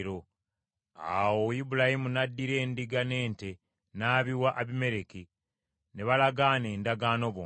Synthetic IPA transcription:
ɾo | a̰wojibulahimunadːiɾe̞ːndiɡane̞ːnte̞ | naːβiwaʔaβime̞ɾeki | neβalaɡaːne̞ːndaɡaːno̞βo

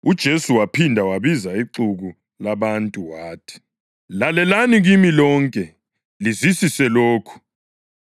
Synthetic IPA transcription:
ud̥ʒ̥ʱesuwapʰindʱawaβizaiǀuɣu | laβantʼuwaːtʰi̥ | lalɛlaniɣimilɔŋkʼɛ | lizisisɛloːkʰu̥

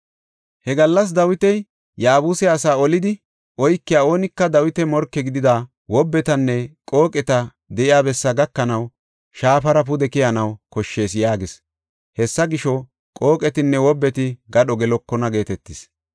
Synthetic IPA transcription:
hɛɡɐlːɐs̬d̪ɐwɪt̪ɛj | jaːbuːsɛɐsaːɔlɪd̪ɪ | ʔɔjkːɪjaːo̞ːnɪkːɐd̪ɐwɪt̪ɛmɔɾkːɛɡɪd̪ɪd̪aː | wɔbːɛt̪ɐnːɛkʼo̞ːkʼɛt̪ɐ | d̪ɛʔɪjaːbɛsːɐɡɐkːɐnɐw | ʃaːpɐɾɐp̬ʊd̪ɛkɪjɐnɐwkɔʃːe̞ːsjaːɡɪs | hɛsːɐɡɪʃɔ | kʼo̞ːkʼɛt̪ɪnːɛwɔbːɛt̪ɪɡɐɗɔɡɛlɔkːɔnɐɡe̞ːt̪ɛt̪ːɪs

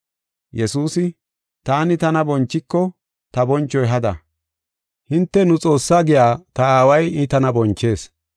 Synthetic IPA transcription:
jɛsuːsɪ | t̪aːnɪt̪ɐnɐbɔnt͡ʃːɪkːɔ | t̪ɐbɔnt͡ʃːɔjɦɐd̪ɐ̰ | hɪnt̪ːɛnʊt͡sʼo̞ːsːaːɡɪjaːt̪ɐaːwɐjɪt̪ɐnɐbɔnt͡ʃːe̞ːs

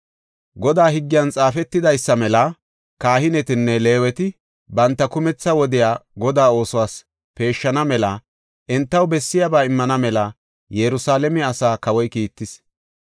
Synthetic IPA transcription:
ɡɔd̪aːɦɪɡːɪjɐnt͡sʼaːfɛt̪ːɪd̪ɐjsːɐmɛlɐ | kaːhɪnɛt̪ɪnːɛle̞ːwɛt̪ɪ | bɐnt̪ːɐkʊmɛt͡sːɐwɔd̪ɪjaːɡɔd̪aːo̞ːsʊwaːs | pe̞ːʃːɐnɐmɛlɐ | ʔɛnt̪ːɐwbɛsːɪjabaːɪmːɐnɐmɛlɐ | jɛɾʊsaːlɛmɛɐsaːkɐwɔjkiːt̪ːɪs

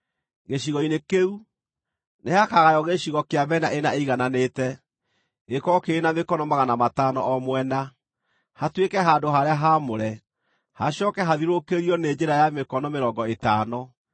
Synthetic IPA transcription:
ɣeɕiɣɔinekeu | nehakaɣajɔɣeɕiɣɔkeaβɛnaʔenaeiɣananetɛ | ɣekɔkeːnamekɔnɔmaɣanamataːnɔʔɔmwɛna | hatwekɛɦaːndoɦaɾeaɦamoɾɛ | haɕjɔkɛɦaðiɾokeɾiɔned͡ʒeɾajamekɔnɔmeɾɔːŋɡɔetaːnɔ

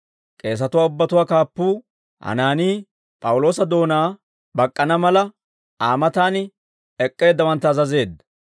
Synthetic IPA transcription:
kʼe̞ːs̬ɐt̪ʊwaːʊbːɐt̪ʊwaːkaːpːuː | hɐ̰naːniː | pʼɐwʊlo̞ːsɐd̪o̞ːnaː | bɐkʼːɐnɐmɐlɐ | ʔaːmɐt̪aːnɪ | ɛkʼːe̞ːd̪ːɐwɐnt̪ːɐːzɐze̞ːd̪ɐ

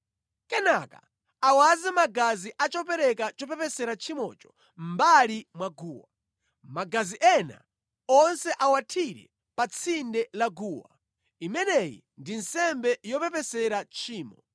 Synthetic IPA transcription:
kɛnaka̰ | awazɛmaɡaziʔat͡ʃɔpɛɾɛkat͡ʃɔpɛpɛsɛɾat͡ʃʰimɔ̰t͡ʃɔ̥ | mbalimwaɡuːwa | maɡaziʔɛna̰ | ɔnsɛʔawatʰiɾɛ̰ | pat͡sʰindɛlaɡuːwa̰ | imɛnɛjḭ | ndinsɛmbɛjɔpɛpɛsɛɾat͡ʃʰiːmɔ

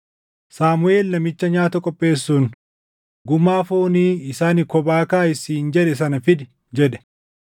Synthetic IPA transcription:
saːmʊeːlnɐmɪt͡ʃːɐɲaːt̪ɐkʼɔpʼːe̞ːsːuːn | ɡʊmːaːfoːniːɪsaːnɪkɔbaːkaːɪsiːnd͡ʒɛᶑɛs̬ɐnɐfɪd̪ɪ | d͡ʒɛᶑɛ̥

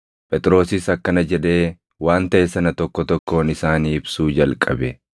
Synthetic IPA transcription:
pʼɛt̪ʼɪɾo̞ːsɪsɐkːɐnɐd͡ʒɛᶑ̪e̞ː | waːnt̪ɐʔesɐnɐt̪ɔkːɔt̪ɔkːo̞ːnɪsaːniːɪbsuːd͡ʒɐlkʼɐbɛ

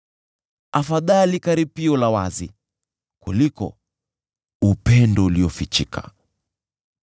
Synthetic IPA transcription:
afaðalikaɾipiɔlawazi | kulikɔ̰ | upɛndɔuliɔfit͡ʃikʰḁ̰

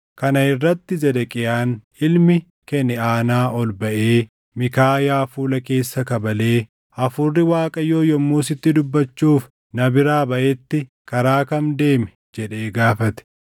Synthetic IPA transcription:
kɐnɐɪrːɐt̪ːɪzɛd̪ɛkʼɪjaːn | ɪlmɪ | kɛnːɪaːnaːʔɔlbɐʔe̞ː | mɪkaːjaːfuːlɐke̞ːsːɐkɐbɐle̞ː | ɐfʊrːɪwaːkʼɐjoːjɔmːuːsɪt̪ːɪd̪ʊbːɐt͡ʃːuːf | nɐbɪɾaːbɐʔɛt̪ːɪ | kɐɾaːkɐmd̪e̞ːmɛ | d͡ʒɛᶑe̞ːɡaːfɐt̪ɛ̥

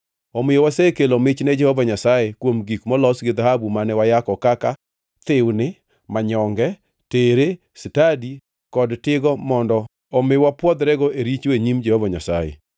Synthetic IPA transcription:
omɪjowasekelomɪt͡ʃnɛd͡ʒɛhovaɲasajekwomɡikmɔlɔsɡɪd̪ahabumanɛwajakɔkaka | t̪ɪwnɪ | maɲɔŋɡɛ | teɾe | sɪtadi | kɔdtɪɡɔmɔndɔ | omɪwapwɔd̪ɾɛɡɔeɾit͡ʃeɲimd͡ʒɛhovaɲasajḛ

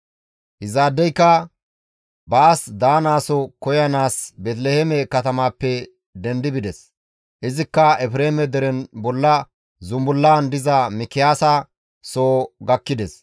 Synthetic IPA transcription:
ʔɪzaːd̪ːɛjkːɐ | baːsd̪aːnaːsɔkɔjɐnaːsbɛt̪̬lɛhɛmɛkɐt̪ɐmaːpːɛ | d̪ɛnd̪ɪbɪd̪ɛs | ʔɪzɪkːɐɛpɪɾeːmɛd̪ɛɾɛnbɔlːɐ | zʊmbʊlːaːnd̪ɪzɐmɪkɪjaːsɐ | soːɡɐkːɪd̪ɛs

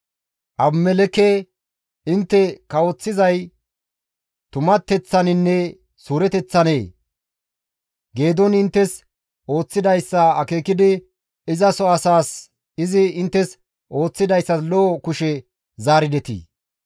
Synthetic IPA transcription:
ʔɐbmɛlɛke | ɪnt̪ːɛkɐwɔt͡sːɪzɐj | t̪ʊmɐt̪ːɛt͡sːɐnɪnːɛ | suːɾɛt̪ɛt͡sːɐneː | ɡe̞ːd̪ɔnɪnt̪ːɛs | ʔo̞ːt͡sːɪd̪ɐjsːɐɐke̞ːkɪd̪ɪ | ɪzɐsɔɐsaːs | ɪzɪɪnt̪ːɛs | ʔo̞ːt͡sːɪd̪ɐjsːɐslɔːkʊʃɛ | zaːɾɪd̪ɛt̪ḭː

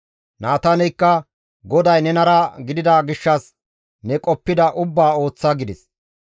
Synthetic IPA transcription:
naːt̪ɐnɛjkːɐ | ɡɔd̪ɐjnɛnɐɾɐɡɪd̪ɪd̪aːɡɪʃːɐs | nɛkʼɔpːɪd̪ɐʔʊbːaːo̞ːt͡sːɐɡɪd̪ɪs

